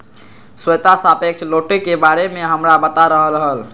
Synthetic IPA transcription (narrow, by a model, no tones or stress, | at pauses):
swəjt̪asapek̚t͡ʃʰloʈekebaɾemeɦəmɾabət̪aɾəɦəlɦəl